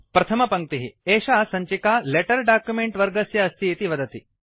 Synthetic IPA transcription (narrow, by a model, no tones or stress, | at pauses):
pɾɐt̪ʰɐmɐpɐŋk̚t̪iɦieːʃaːsɐɲt͡ʃikaːleʈɐɾɖaːkjumeɳʈʋɐɾɡɐsjɐɐst̪ʰiːt̪iʋɐd̪ɐt̪i